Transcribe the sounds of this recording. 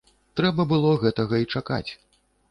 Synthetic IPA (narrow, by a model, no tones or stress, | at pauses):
t̪ɾɛbɐbɨlˠɔɣɛt̪ɐɣɐit͡ʂaka̰t͡sʲ